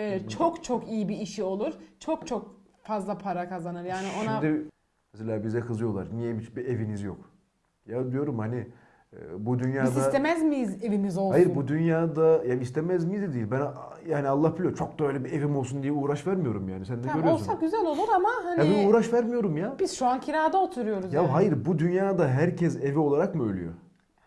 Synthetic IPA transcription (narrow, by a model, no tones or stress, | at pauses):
t͡ʃt͡ʃʰokt͡ʃʰo̞kijibiːʃio̞lˠuɾt͡ʃʰok̚t͡ʃʰok̚ | fazlˠapʰaɾakʰazanɯɾjaːnionad̪ɛ | nɛselʲaːbizɛkʰɯzɯjo̞lˠa̰ɾnijɛbibievinizjo̰k | jad̪ijo̞ɾumhanɪ | bud̪ynjaːd̪iast̪emæzmize̞vimizolˠajɯɾbud̪ynjaːd̪ajaist̪ʰemɛzmizd̪ɛd̪ijilʲbænjaːnialˠːahpʰilˠijoɾt͡ʃʰo̞k̚d̪aø̞jlʲɛbievimo̞lˠsund̪ijɛuːɾaʃvæɾmijo̞ɾumjaːnisænd̪ɛøɾyjolˠssak̚ɟyzælʲo̞lˠuɾamahanɛbinuːɾaʃvæɾmijo̞ɾumjab̥iz̥ʃuancʰiɾaːd̪aot̪ʰuɾujo̞ɾuzjaɦajiɾbud̪ynjaːd̪aɦæɾcʰɛzevio̞lˠaɾakmuølʲy̰jø̰